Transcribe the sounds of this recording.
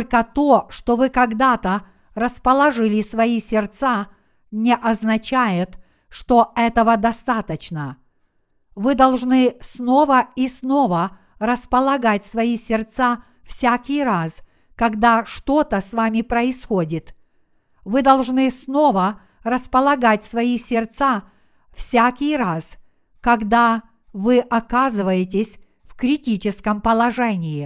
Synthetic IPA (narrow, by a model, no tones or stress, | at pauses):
lʲkət̪oʂt̪ovɨkɐɡd̪at̪ə | rəspəlˠɐʐɨlʲɪsvɐisʲɪrt̪sa | nʲɪʔɐznɐt͡ɕæjɪt̪ | ʂt̪oɛt̪əvəd̪ɐst̪at̪ət͡ɕnə | vɨd̪ɐlˠʐnɨsno̞vəisno̞və | rəspəlˠɐɡatʲsvɐisʲɪrt̪sa | fsʲakʲɪjras | kɐɡd̪aʂt̪o̞t̪əsvamʲɪpɾəɪsxodʲɪt̪ | vɨd̪ɐlˠʐnɨsno̞və | rəspəlˠɐɡatʲsvɐisʲɪrt̪sa | fsʲakʲɪjras | kɐɡd̪a | vɨʔɐkazɨvəjɪtʲɪsʲ | fkɾʲɪtʲit͡ɕɪskəmpəlˠɐʐɛnʲɪjɪ